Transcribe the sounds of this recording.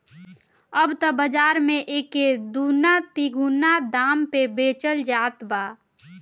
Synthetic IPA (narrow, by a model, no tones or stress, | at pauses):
əbt̪əbəd͡ʒaːɾmẽʔeːked̪uːnat̪iɡʱunad̪aːmpebeːt͡ʃəld͡ʒaːt̪baː